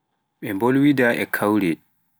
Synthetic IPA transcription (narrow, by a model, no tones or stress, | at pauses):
ɓɛmbolwidaʔɛkʰawɾɛ